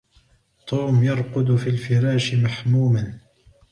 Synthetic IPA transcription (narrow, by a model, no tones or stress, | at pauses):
t̪ʰˤuːmjɑɾˤqʊd̪fiːlfɪɾaːʃɪmaħmuːman